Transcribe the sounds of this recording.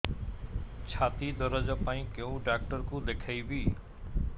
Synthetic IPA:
t͡ɕʰaːt̪id̪ʱɔɾəd͡ʑɔpaːĩkeũɖak̚ʈəɾkũlekʰaibiː

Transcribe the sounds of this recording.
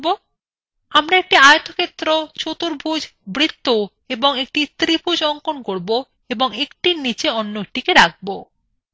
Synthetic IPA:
bo | amɾaek̚ʈiajot̪okʰet̪ːɾot͡ɕot̪uɾbʱud͡ʑbɾit̪ːo | eboŋek̚ʈit̪ɾibʱud͡ʑɔŋkonkoɾbo | eboŋekʈinit͡ɕeɔnːoek̚ʈikeɾak̚ʰbo

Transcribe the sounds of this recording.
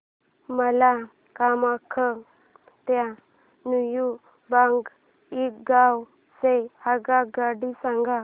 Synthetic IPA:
məla | kamakʰə | t̪ja | nuju | baŋɡ | ikɡaw | sehaɡaɡaɽisãŋɡa

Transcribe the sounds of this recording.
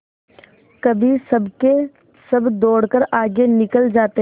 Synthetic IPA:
kɐbʱisɐbke | sɐbd̪oːɽkəɾaːɡenɪkəld͡ʒaːt̪e

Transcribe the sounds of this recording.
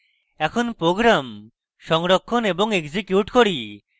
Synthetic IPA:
ɛkʰonpɾoɡɾam | ʃɔŋɾokʰːoneboŋekzikjuʈkoɾi

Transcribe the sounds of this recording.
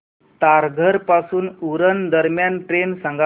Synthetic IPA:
t̪aɾɡʱəɾpasuːnuɾənd̪əɾmjanʈɾensãŋɡa

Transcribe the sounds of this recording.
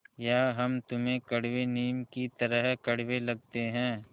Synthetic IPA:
jaːɦɐmt̪ʊmẽkɐɽ̤ʋeniːmkit̪ɐɾəɦkɐɽʋelɐɡ̚t̪eɦɛ̃ː

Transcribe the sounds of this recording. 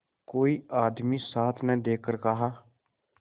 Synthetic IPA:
koːiːʔaːd̪miːsaːt̪ʰnɛ̃ːd̪eːkəɾkəɦaː

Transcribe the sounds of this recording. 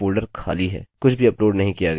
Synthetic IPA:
oːlɖəɾkʰa̰ːliɦɛ̰ːkʊt͡ʃʰbʱiɐploːɖnɐɦĩkijaɡɐ

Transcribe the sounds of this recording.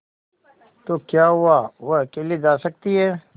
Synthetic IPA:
t̪oːkjaːɦʊaʋokeːlid͡ʒaːsək̚t̪iɦɛː

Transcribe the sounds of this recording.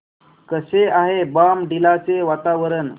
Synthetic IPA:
kəseaɦebamɖilat͡seʋat̪aʋəɾən

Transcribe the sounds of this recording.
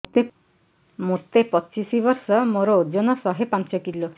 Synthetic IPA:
t̪e | moɾt̪epɔt͡ʃisibɔɾsɔmoɾɔːdjɔnɔsɔɦepant͡ʃɔkilːo

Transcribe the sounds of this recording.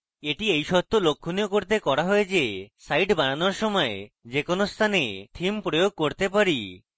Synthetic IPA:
eʈiejʃɔt̪ːolokʰːunijokoɾt̪ekɔɾaɦɔed͡ʒesajʈbaɽ̃anɔɾʃɔmɔḛ | d͡ʒekonost̪ʰanet̪ʰimpɾojoɡ̚koɾt̪epaɾi

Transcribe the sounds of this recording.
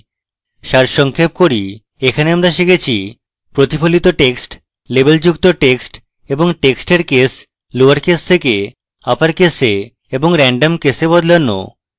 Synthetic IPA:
ʃaɾʃɔŋkʰep̚koɾi | ekʰaneamɾaʃekʰet͡ɕʰi | pɾot̪ipʰolit̪oʈeksʈ | lebeld͡ʑukt̪oʈeksʈ | eboŋʈeksʈeɾkes | luaɾkest̪ʰeke | apaɾkese | eboŋɾɛɳɖomkesebɔd̪lonːo̰

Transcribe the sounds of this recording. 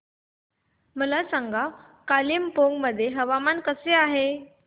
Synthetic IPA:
məlasaŋɡa | kalimpoŋɡməd̪ʱːjeɦəʋamankəseaɦe

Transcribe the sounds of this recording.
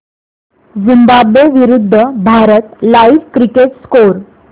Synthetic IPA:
zimbabjeʋiɾud̪ʱːəbʱaɾət̪laiʋkɾikeʈskoɾ

